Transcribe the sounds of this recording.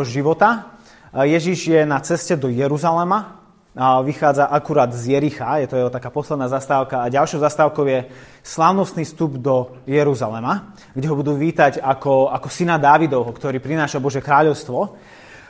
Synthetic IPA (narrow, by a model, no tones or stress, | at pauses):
ʒiʋɔt̪a | jɛʒiʒjɛnat͡sɛscɛd̪ɔjɛɾuzalɛma | ʋixaːd͡zaʔakuɾaːd̪zjɛɾixajɛt̪ɔjɛɦɔt̪akaːpɔslɛd̪naːzast̪aːʊkaːɟalʃɔʊzast̪aːʊkɔʊjɛ | slaːʊnɔst̪niːst̪ubd̪ɔjɛɾuzalɛma | ɡɟɛɦɔbud̪uːʋiːt̪aɟakɔakɔsinad̪aːʋid̪ɔʊɦɔkt̪ɔɾiːpɾinaːʃabɔʒjɛkɾaːʎɔʊst̪ʋɔ